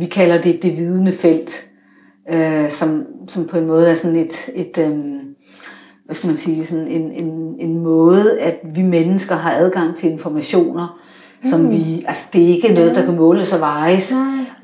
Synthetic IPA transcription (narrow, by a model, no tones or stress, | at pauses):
ʋikʰælɐd̥e̝d̥e̝ʋiːð̞ˠənəfel̰d̥ | øsɒ̽msɒ̽mpʰɒ̽e̝nmɔ̽ːð̞̩ˠæɐsɔ̽ne̝d̥e̝d̥ø | ʋæsɡ̥æmænsiːsɒ̽ne̝ne̝ne̝nmɔ̽ːð̞ˠæd̥ʋimenəsɡ̥ɐɦɑ̈ʔæð̞ˠɡ̥ɑ̈ŋ̰t͡sʰe̝le̝nfɒmæɕo̝̰ːnɐ | sɒ̽mʋiʔælsɐ̥d̥e̝æe̝ɡ̥ənɔ̽ːð̞̩ˠd̥ɑkʰæmɔ̽ːləsɒʋɑ̈ɪs